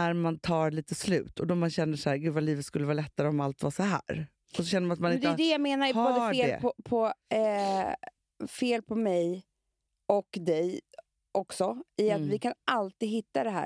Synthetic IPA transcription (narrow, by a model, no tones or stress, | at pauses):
æɾmant̪ʰɑːɾɭiːt̪əslʉ̰ːt̪ʰɔd̪ɔmanɕɛnːəʂæːɾɡʉ̟ːvaliːvət̪skɵlːəvɑːlɛt̪ːaɾəɔmalt̪vɑːʂɔhæ̰ːɾ | ɔsɔɕɛnːəmnat̪manɪd̪jd̪ɛjaːmeːnaɾboːəedːlɛ̰pʰɔpʰɔ | feːlpʰɔmɛj | ɔkd̪ɛj | ɔksɔɪavɪkʰanʔalt̪iːɡ̪ɦɪt̪ːad̪ɛɦæ̰ː